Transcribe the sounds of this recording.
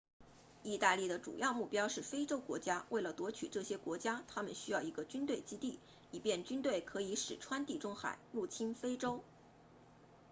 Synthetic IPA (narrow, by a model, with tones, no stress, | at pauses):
i˥˧t̪a˥˧li˥˩d̪ə˩ʈ͡ʂṵ˨˩jɑ˥˧ʊmu˥˩pjɑ˥ʊʂɻ̩˥˩fe˥ɪʈ͡ʂo˥ʊkwɔ̰˧˥t͡ɕja˥wʔe˥˩ɪlə˩t̪wɔ˧˥t͡ɕʰy̰˨˩ʈ͡ʂɤ˥˩ɕjɛ˥kwɔ˧˥t͡ɕja˥t̪ʰa˥mə˨nɕy˥jɑ˥˩ʊi˧˥ɡə˧t͡ɕy˥nt̪we˥˩ɪt͡ɕi˥t̪i˥˩ | i˨˩pjɛ˥˩nt͡ɕy˥nt̪we˥˩ɪkʰɤ˧˥i˧˥ʂɻ̩˨˩ʈ͡ʂʰwa˥nt̪i˥˩ʈ͡ʂʊ˥ŋxa̰˨˩˦ɪɻu˥˩t͡ɕʰi˥nfe˥ɪʈ͡ʂo˥ʊ